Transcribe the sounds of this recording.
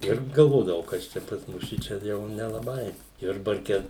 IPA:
ˈɪr ɡɐlˠˈʋoːdɐʋɐʊ ˈkɐs t͡ʃʲɛ pɐs ˈmʊs ˈʃʲɪt͡ʃʲɛ ˈjɛʊ nʲɛlˠɐˈbɐɪ ˈjʊrbɐrʲkʲɛ

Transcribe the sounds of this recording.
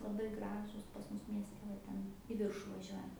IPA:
lˠɐˈbɐɪ ˈɡrɑːʒuːs pɐs ˈmʊs mʲiɛsʲˈtʲɛ ʋɐ ˈtʲɛn iː ˈʋʲɪrʃʊ ʋɐˈʒʲuɔjɛnt

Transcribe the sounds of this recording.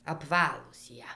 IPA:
ɐpˈʋɑːlˠuːs ˈjiɛ

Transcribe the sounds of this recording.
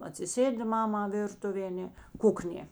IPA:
ɐtʲsʲɪˈsʲeːdʲɪ ˈmɑːmɐ ˈʋʲɪrtʊʋʲeː ɐˈnʲɛ ˈkʊknʲeː

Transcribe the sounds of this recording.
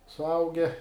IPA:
sʊˈɐʊɡʲɛ

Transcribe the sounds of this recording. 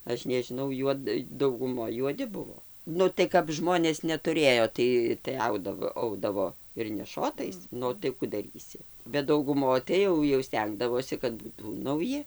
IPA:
ˈɐʃ nʲɛʒʲɪˈnɐʊ ˈjuɔt dɐʊɡʊˈmoːj juɔˈdʲɪ ˈbʊʋoː ˈnʊ tɐɪ kɐp ˈʒmoːnʲeːs nʲɛtʊˈrʲeːjoː ˈtɐɪ tɐɪ ˈɐʊdɐʋoː ˈɐʊdɐʋoː ɪr nʲɛˈʃoːtɐɪs ˈnʊ tɐɪ ˈkʊ dɐˈrʲiːsʲɪ bʲɛt dɐʊɡʊˈmoːj tɐɪ ˈjɛʊ jɛʊ ˈsʲtʲɛŋɡdɐʋoːsʲɪ kɐt ˈbuːtuː nɐʊˈjɪ

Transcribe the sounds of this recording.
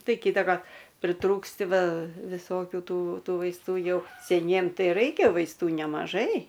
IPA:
ˈtɐɪ ˈkʲiːtɐkɐr pʲrʲɪˈtruːksʲtʲɪ ˈʋɐ ʋʲɪˈsoːkʲʊ ˈtuː ˈtuː ʋɐɪsˈtuː ˈjɛʊ sʲɛˈnʲiɛm ˈtɐɪ ˈrɐɪkʲɛ ʋɐɪsˈtuː nʲɛmɐˈʒɐɪ

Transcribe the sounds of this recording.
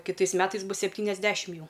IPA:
kʲɪˈtɐɪs ˈmʲæːtɐɪs ˈbʊs sʲɛpʲtʲiːnʲɛzʲˈdʲæːʃʲɪm ˈjɛʊ

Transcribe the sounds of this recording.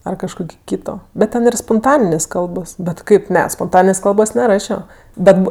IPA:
ɐr kɐʃˈkoːkʲɪ ˈkʲiːtoː bʲɛt ˈtʲɛn ɪr spoːnˈtɑːnʲɪnʲeːs ˈkɐlˠboːs bʲɛt ˈkɐɪp ˈnʲɛ spoːnˈtɑːnʲɪnʲeːs ˈkɐlˠboːs nʲɛˈrɑːʃʲoː ˈbʲɛt ˈbʊ

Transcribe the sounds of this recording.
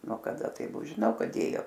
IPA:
nuɔ kɐˈdɐ tɐɪ ˈbʊ ʒʲɪˈnɐʊ ˈkɐt ˈdʲeːjoː

